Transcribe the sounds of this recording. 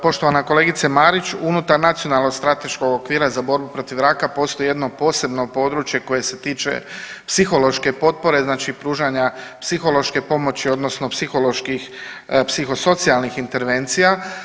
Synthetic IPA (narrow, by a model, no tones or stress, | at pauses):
po̞ʃt̪oʋanako̞le̞ɡit̪semaːɾit͡ʃunut̪aɾnat̪sio̞nalˠno̞ɡst̪ɾat̪e̞ʃko̞ɡokʋiːɾazabo̞ɾbupɾo̞t̪iʋɾakapo̞ːst̪o̞jije̞d̪no̞po̞ːse̞bno̞po̞d̪ɾut͡ʃje̞ko̞je̞se̞t̪iːt͡ʃe̞̰psixo̞lo̞ʃke̞po̞t̪̚po̞ɾe̞znaːt͡ʃipɾuːʒaɲapsixo̞lo̞ʃke̞po̞mo̞t͡ɕio̞d̪nosno̞psixo̞lo̞ʃkixpsixo̞so̞t̪sialnixint̪e̞ɾʋe̞nt̪sija